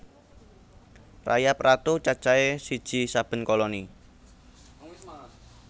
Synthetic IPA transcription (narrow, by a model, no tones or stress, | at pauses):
ra̰japrat̪ut͡ʃat͡ʃaesid̥ʒ̥i̤sab̥ə̤nkɔlɔni